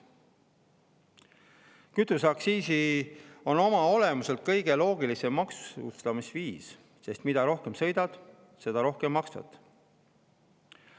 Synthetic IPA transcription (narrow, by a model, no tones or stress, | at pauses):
kyt̪ːˑusɑksiːsio̞no̞mɑo̞le̞muse̞lt̪̚kɤjɡ̥e̞lo̞ːɡ̥ilise̞mːɑksu̥ṵst̪ɑmisviːs | se̞st̪mid̪̥ɑɾo̞hke̞msɤ̞jd̪̥ɑd̪̥ | se̞d̪ɑɾo̞hke̞mːɑksvɑ̰t̪